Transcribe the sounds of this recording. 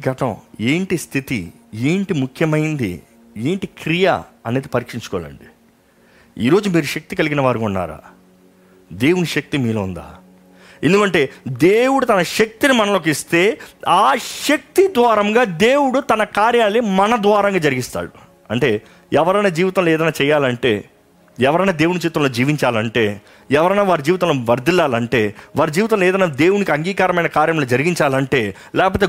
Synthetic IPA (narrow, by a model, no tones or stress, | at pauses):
ɡʱɐʈɐ̃weːɳʈist̪ʰit̪ḭ | eːɳʈimukʰjɐmɐjind̪ḭ | eːɳʈikɾija̰ɐne̞ːd̪ipɐɾiːkʂiɲt͡ʃu̥kɔ̰ːa̰lɐ̰ɳɖi | ḭːɾo̞ːd͡ʒumiːɾuʃɐk̚t̪ikɐliɡinɐʋaːɾukunːa̰ːɾa̰ː | d̪e̞ːwuniʃɐk̚t̪imiːloːund̪a̰ː | e̞nd̪ukɐɳʈe̞ːd̪e̞ːwuɽut̪ɐnɐʃɐk̚t̪inimɐnɐlo̞ːk̬ist̪e̞ːaːʃɐk̚t̪id̪ʋaːɾɐmɡaːd̪eːwuɽut̪ɐnɐkaːɾjaːlːimɐnɐd̪ʋaːɾɐŋɡaːd͡ʒɐɾiɡist̪a̰ːɽu | ɐ̰ɳʈe̞ː | ɛʋɐɾɐjnaːd͡ʒiːʋit̪ɐmloɛːd̪ɐjnaːt͡ʃɛːjaːlɐɳʈe̞̰ː | ɛʋɐɾɐjnaːd̪e̞ːwunid͡ʒiːʋit̪ːɐ̃mlo̞ːd͡ʒiːʋiɲt͡ʃaːlɐɳʈe̞̰ː | ɛʋɐɾɐjnaːʋaːɾid͡ʒiːʋit̪ɐ̃loʋɐɾd̪ilaːlɐɳʈe̞ːʋaːɾid͡ʒiːʋit̪̬ɐ̃m̃loɛːd̪ɐjnaːd̪e̞ːwunikiɐŋɡiːkaːɾɐmɐjnɐkaːɾjɐmlo̞ːd͡ʒɐɾiɡiɲt͡ʃaːlɐɳʈe̞ː | lɛːkɐp̬oːt̪eː